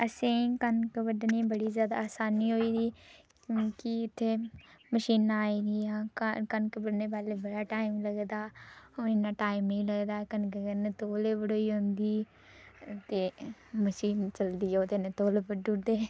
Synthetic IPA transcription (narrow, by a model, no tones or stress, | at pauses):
əsĩːkənkəbəɖniːbəɽiːzjaːd̪a̰aːsaːniːɦoːiːd̪iː | kiɪt̪ʰːeːməʃiːnaːiːɾiːaːkkənkəbəɽneːbaːleːbəɽaːʈaːimləɡd̪aːoɪnãːʈaːɪmĩːləɡd̪aːkənkekəneːt̪oːleːbəɽoːiːɦʊ̃nd̪iː | t̪eːməʃiːnt͡ʃəld̪iːɛod̪eneːt̪oːlebəɖud̪eː